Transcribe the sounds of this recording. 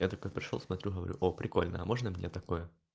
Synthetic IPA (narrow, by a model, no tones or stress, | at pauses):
jat̪ɐkojpɾʲɪ̥ʂolˠsmɐt̪ʲɾʲuɣəvɐɾʲṵʔopɾʲɪko̞lʲnə̰ɐmoʐnəmnʲet̪ɐko̞jə